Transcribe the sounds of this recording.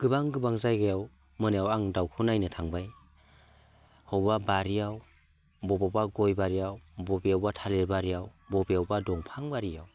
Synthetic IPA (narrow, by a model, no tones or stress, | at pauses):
ɡ̥ɯbaŋɡɯbaŋzajɡajaw | mɯnejawaŋdawkʰunajnɯtʰaŋbaj | hɔwbabaɾijaw | bɔbabaɡɔjbaɾijawbɔbijawbatʰaleɾbaɾijawbɔbijawbadɔŋpʰaŋbaɾijaw